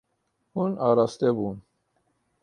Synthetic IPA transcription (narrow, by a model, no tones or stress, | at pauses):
hunɑɾɑst̪ɛbun